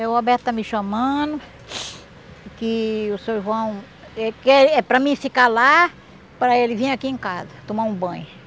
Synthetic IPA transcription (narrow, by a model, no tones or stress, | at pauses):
ewabɛɾt̪ʊt̪amɪʃɐmɐ̃nʊ | kɪʊsewʒuɐ̃w̃ | ɛkelɛpɾɐmĩfikala | pɾɐelɪvĩj̃akiẽkazɐt̪õmaũbɐ̃j̃